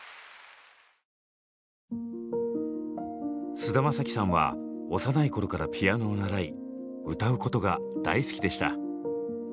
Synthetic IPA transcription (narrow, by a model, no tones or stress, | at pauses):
sɨd̪amasakʲi̥sãɰ̃βa̰o̞sanaiko̞ɾo̞kaɾapʲijano̞ːnaɾaiɯ̟t̪aɯ̟ko̞t̪o̞ɡa | d̪̥aisɨ̥kʲid̪e̞ɕi̥t̪a̰